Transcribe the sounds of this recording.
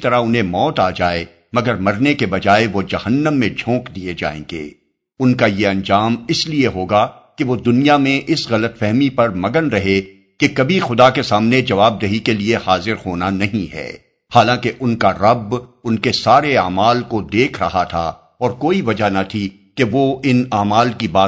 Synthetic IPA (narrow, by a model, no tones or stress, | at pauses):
t̪ɐɾaʊnɦẽmɔːt̪aːd͡ʒaːe | mɐɡəɾmɐɾnekebɐd͡ʒaːeʋod͡ʒɐhənːəmːẽd͡ʒʱõːkd̪ied͡ʒa̰ːḛ̃ːɡḛː | ʊnkajeɐ̃nd͡ʒaːmɪslieɦoːɡa | keʋod̪ʊnijamẽʔɪsɣɐlət̪fɛɦmipɐɾmɐɡənɾɐɦe | kekɐbʱixʊd̪akesaːmned͡ʒɐʋaːb̚d̪eɦikeliehaːzɪɾhoːnanɐɦĩɦɛ̰ː | haːlãkeʔʊnkaɾɐbʊnkesaːɾeaːmaːlkod̪eːkʰɾɐ̰ɦat̪ʰa̰ | ɔːɾkoːiʋɐd͡ʒanat̪ʰi | keʋoɪnaːmaːlkibaː